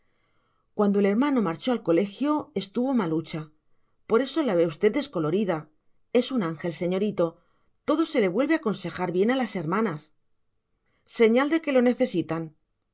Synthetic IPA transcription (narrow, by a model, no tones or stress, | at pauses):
kwand̪o̞ele̞ɾmãno̞maɾt͡ʃo̞alko̞le̞xjo̞e̞st̪uβo̞malut͡ʃa | po̞ɾe̞so̞laβe̞ust̪e̞ð̚d̪e̞sko̞lo̞ɾiða | e̞sunaŋxe̞lse̞ɲo̞ɾit̪o̞ | t̪o̞ðo̞se̞le̞βwe̞lβeako̞nse̞xaɾβje̞nalase̞ɾmãnas | se̞ɲald̪e̞ke̞lo̞ne̞θe̞sit̪an